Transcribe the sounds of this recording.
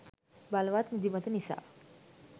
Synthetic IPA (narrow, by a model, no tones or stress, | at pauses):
balʋat̪mud̪imat̪ənisa̰